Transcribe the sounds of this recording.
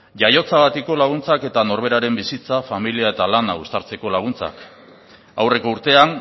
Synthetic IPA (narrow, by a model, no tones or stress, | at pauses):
ʝajo̞t͡saɣat̪iko̞laɣ̞unt͡sake̞t̪ano̞ɾβ̞e̞ɾaɾe̞mbisit͡safamiliae̞t̪alanaɣust̪aɾt͡se̞ko̞laɣ̞unt͡sa̰k | awre̞ko̞uɾt̪e̞an